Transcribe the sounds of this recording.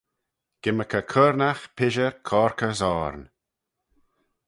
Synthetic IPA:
ɡ̥ɪməkʰəkʰəɾnaxpʰɪʒəɹkʰɔːɹkʰəsɔːɹn

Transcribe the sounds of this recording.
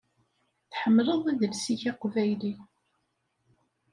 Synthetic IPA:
θħəmːləðˤæðəlsiçɑqvæjli

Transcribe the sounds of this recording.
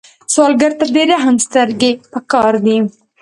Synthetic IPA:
sɑːlɡɐɾt̪ad̪eɾeɦɐmst̪əɾɡepəkɑːɾd̪i

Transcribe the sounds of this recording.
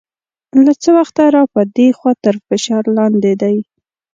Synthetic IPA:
lat͡səwaxt̪aɾɑpəd̪exwɑt̪əɾfɪʃɑɾlɑnd̪ed̪aj

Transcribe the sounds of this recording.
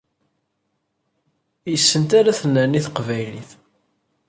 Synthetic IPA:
jəsːənt̪aɾaθənːəniθəqvæjlḭθ

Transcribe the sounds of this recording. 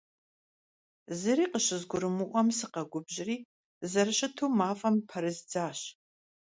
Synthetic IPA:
zɨɾiːqəɕɪzɡʷʊɾɨmuʔʷɔmsɨqɐɡʷʊbʑɪriː | zɐɾɨɕɪtʰuːmaːfʼɐmpʰɐɾɨzd͡zaːɕ

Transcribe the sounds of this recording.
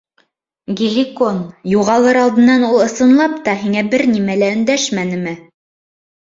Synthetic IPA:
ɡʲilʲikonjuʁɑlˠɤɾɑlˠd̪ɤ̆nːɑnulˠɤ̆sɤ̆nlˠɑpt̪ɑɦiŋæbɘɾnimælæɵ̆nd̪æʃmænɘ̆mɘ

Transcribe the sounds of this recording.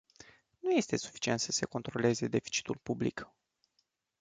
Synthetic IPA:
nuje̞st̪e̞su̥fi̥t͡ʃie̞nt̪səse̞ko̞nt̪ɾo̞le̞ze̞d̪e̞fi̥t͡ʃi̥t̪ulpublḭk

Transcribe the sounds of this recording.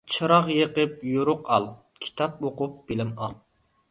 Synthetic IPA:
t͡ʃʰɨɾɑʁjəqəp̚joɾʊqʰɑ̰lˠ | kʲʰi̥t̪ʰɑp̚oqʊp̚b̥ɪlɪmɑlˠ

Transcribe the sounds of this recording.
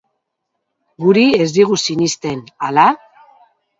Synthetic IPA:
ɡuɾie̞zd̪iɣ̞usinist̪e̞nala

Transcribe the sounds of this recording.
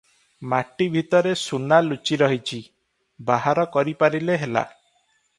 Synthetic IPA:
maʈibʱit̪ɔɾesunalut͡ʃiɾɔɦit͡ʃʰi | baɦaɾɔkɔɾipaɾileɦela̰

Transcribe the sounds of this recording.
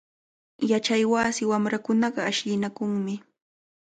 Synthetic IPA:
jat͡ʃajwaːsɪwamɾakʊnɑɢɑaʃʎɪnakʊŋmɪ

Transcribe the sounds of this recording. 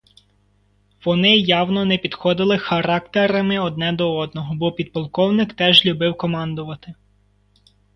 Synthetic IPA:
ʋɔnɪjɑwnɔnɛpʲid̪xɔd̪ɪlˠɪxɐɾɑkt̪ɛɾɐmɪɔd̪̚nɛd̪ɔɔd̪̚nɔɦɔbɔpʲid̪̚pɔlˠkɔwnɪkt̪ɛʒlʲubɪwkɔmɑnd̪ʊʋɐt̪ɪ

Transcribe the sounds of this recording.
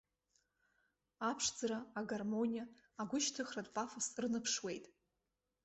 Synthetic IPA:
apʰʂd͡zaɾaːɡarmonʲijaːɡʷʊʃtʰɨχratʼpʼafosrɨnɨpʰʂwe̞jtʼ

